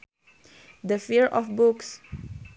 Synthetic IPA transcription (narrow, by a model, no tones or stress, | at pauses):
d̪əfiɹʔɔfbuks